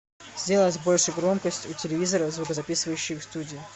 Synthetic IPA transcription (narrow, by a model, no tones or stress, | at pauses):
zʲdʲelət̪ʲbo̞lʲʂɨjɡɾo̞mkəsʲtʲutʲɪlʲɪvʲizəɾəzvʊkəzɐpʲisɨvəjʉɕːɪjfst̪udʲɪː